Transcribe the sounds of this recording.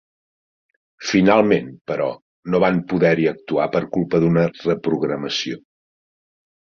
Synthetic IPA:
finalˠmenpəɾɔ | noβampuðɛɾiək̚t̪uapəɾkulˠpəðunərəpɾuɣɾəməsio

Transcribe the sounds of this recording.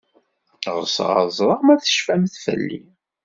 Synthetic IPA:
ʁəsʁɑ̰zˤɾˤəʁmæθə̥ʃfæmθfə̰lːḭ

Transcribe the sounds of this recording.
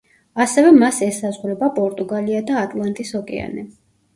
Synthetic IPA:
asɛvɛmasɛsazʁɾɛbapʼɔɾt̪ʼuɡaliad̪aːt̪ʼlˠant̪ʼisɔkʼɛ̰a̰nɛ

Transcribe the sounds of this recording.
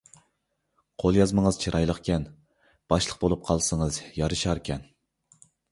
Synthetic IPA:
qʰolˠjɑzməŋəz̥t͡ʃʰiɾʔɑjlˠəqkʲɛn | b̥ɑʃlˠəqbolˠup̚qʰɑlˠsɨŋəzjɑɾɨʃɑɾkʲʰɛn

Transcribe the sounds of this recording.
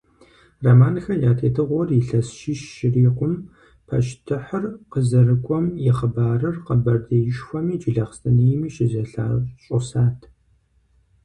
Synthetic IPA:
rɐmaːnxɐjaːtʰeːtʰɨʁʷɔrɪɬɐsʃɪʃːɪriːqʷʊm | pʰɐ̰ʃtʰɨħərqəzɐrɨkʷʼɔmjɪχəbaːrɨrqəbɐrdejɪʃxʷɔmiːd͡ʒɪɮɐχəstʰʼɐnijɪmiːʃɪzɐɬa̰ːɕʼʊsaːtʰ

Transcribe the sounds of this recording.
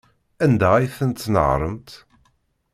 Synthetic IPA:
ænd̪æijθənt̪ːnə̰ʁɾˤəmt̪

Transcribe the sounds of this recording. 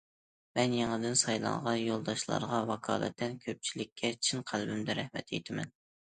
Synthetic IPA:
mɛnjeŋɨd̪ɪnsɑjlˠɑ̰ɴʁɑjolˠd̪ɑʃlˠɑ̰ɾʁɑwɑkʰɑ̰ːlˠɛ̰t̪ʰːɛnkʲʰøp̚t͡ʃʰilɪkʲʰːɛt͡ʃʰinqʰælbɪmd̪ɪɾɛhmɛ̰t̪ʰḛjt̪ʰɪmɛ̰n

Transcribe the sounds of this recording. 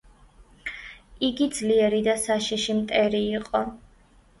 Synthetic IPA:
iɡid̪zliɛɾid̪asaʃiʃimt̪ʼɛɾiːqʼɔ

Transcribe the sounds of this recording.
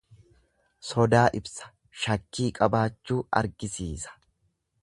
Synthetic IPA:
sɔd̪aːʔɪbsɐ̥ | ʃɐkːiːkʼɐbaːt͡ʃːuːɐ̰ɾɡɪsiːsɐ̥

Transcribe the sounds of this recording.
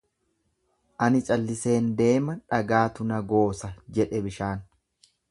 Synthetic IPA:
ʔɐnɪt͡ʃʼɐlːɪse̞ːnd̪e̞ːmɐᶑɐɡaːt̪ʊnɐɡo̞ːsɐd͡ʒɛᶑɛbɪʃaːn

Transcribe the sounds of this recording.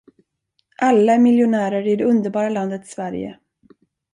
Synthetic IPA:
ʔalːaæɾmɪljʊnæːɾəɾɪd̪ɛɵnd̪əɾbɑːɾaland̪ət̪svæɾjə̰

